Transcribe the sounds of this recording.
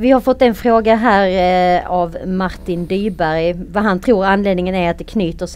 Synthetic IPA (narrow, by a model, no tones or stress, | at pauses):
vɪhaɾfɔt̪ːɛnfɾoːɡaɦæːɾavmaɾt̪ɪnd̪yːbæɾjvaɦant̪ʰɾuːɾanːleːd̪nɪŋənæɾat̪̚d̪ɛkʰnyːt̪əʂ